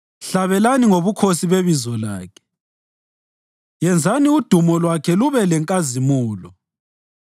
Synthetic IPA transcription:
ɬaβɛlaniŋoβukʰosiβeβizɔla̰ːkʰɛ̥ | jɛnd͡zʱaniud̥ʱumɔlwakʰɛluβɛlɛŋkʼazimuːlɔ

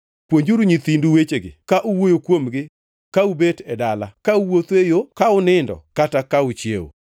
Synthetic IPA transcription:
pwoɲd͡ʒuɾuɲit̪induwet͡ʃeɡɪkaʔuwojokwomɡɪ | kaubetɛdalakauwot̪ejokaʊnɪndɔ̰katakaʊt͡ʃjḛo̰

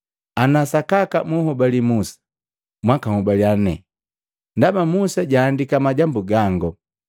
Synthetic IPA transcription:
anasakakamuhɔbalimusḁ | mwakahubaliannɛ̰ | ndabamusaɟaːndikamaɟambuɡaŋɡɔ

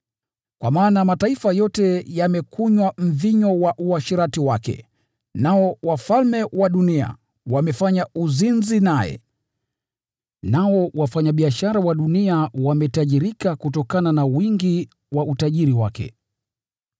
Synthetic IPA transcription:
kwamaːnamataifajɔtɛjamɛkuɲwam̩viɲɔwaʔuaʃiɾatiwakɛ̰ | naɔwafalmɛwaɗunia̰ | wamɛfaɲauzinzinajɛ̰ | naɔwafaɲaɓiaʃaɾawaɗuniawamɛtaʄiɾikakutɔkananawiŋɡi | wautaʄiɾiwakɛ̰

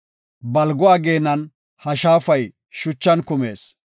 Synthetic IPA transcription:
bɐlɡɔaːɡeːnɐn | hɐʃaːfɐj | ʃʊt͡ʃːɐnkʊme̞̰ːs

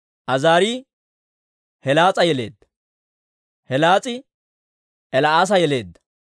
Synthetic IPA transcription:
ʔɐzaːɾiː | hɛlaːt͡sʼɐjɛle̞̰ːd̪ːɐ̥ | hɛlaːt͡sʼɪ | ʔɛlɐaːs̬ɐjɛle̞ːd̪ːɐ̥

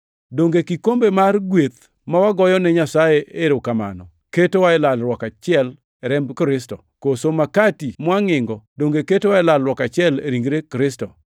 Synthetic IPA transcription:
doŋɡekikombemarɡwet̪ | mawaɡɔjɔnɛɲasajeʔeɾokama̰nɔ̰ | ketowaɛlalɾwɔkat͡ʃɪɛl | ɛɾɛmbkɾɪstɔkosomakatimwaŋɪŋɡɔdoŋɡeketowaɛlalɾwɔkat͡ʃɪɛleɾiŋɡɾekɾɪstɔ

